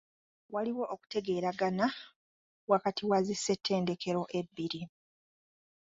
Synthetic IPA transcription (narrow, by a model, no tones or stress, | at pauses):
waliwo̞ʔoku̥te̞ɡe̞ːɾaɡana | wakatʰiwazise̞tʰːe̞ːnde̞kʰe̞ɾo̞ʔe̞bːiɾi